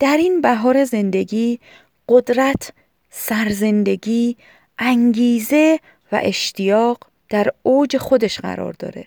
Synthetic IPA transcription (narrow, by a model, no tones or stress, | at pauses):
d̪̥æɾinbæɦɒːɾe̞ze̞nd̪e̞ɡiː | ɢ̥od̪ɾæt̪ʰ | sæɾze̞nd̪e̞ɡiː | ʔæŋɡiːze̞ | væ̰ʔe̞ʃt̪ʰijɒːɢ | d̪̥æɾoːd͡ʒe̞xo̞d̪e̞ʃɢæ̰ɾɒ̰ːɾd̪ɒ̰ːɾe